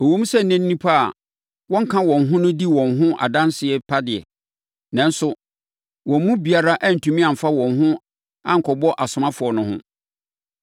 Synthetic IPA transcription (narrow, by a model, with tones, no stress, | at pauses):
o˨wõ˦m˦sɛ˦˨n̩˨nɛ̃˦nː˦ĩ˦pʰa˦˨ | wɔ̃˦ŋ̩˦kʰã˦wɔ̃˨nɦʊ̃˦nʊ̃˦di˦wɔ̃˨nɦʊ̃˦ʔa̰˨dã˦nsɪ˨ɛ˦pʰa˦dɪ˨ɛ̰˨ | nã˨n˦sʊ˦ | wɔ̃˨m̩˦mũ˦bi˨a˨ɾa˦ʔa˦n̩˨tʰũ˨mĩ˦ã˨m̩˨fa˦wɔ̃˨nɦʊ̃˦ | ã̰˦ŋ̩˨kʰɔ˨bɔ˦ʔa˨sʊ˨mã˦fʊ˨ɔ˨nʊ̃˨˦hʊ̰̃˦